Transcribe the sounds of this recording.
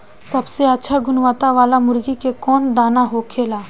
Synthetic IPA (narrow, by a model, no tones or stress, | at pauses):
sɐbseətːʃʰaɡʊnʋaːt̪aʋaːlamʊɾɡikekɔːnd̪aːnaɦokʰeːlaː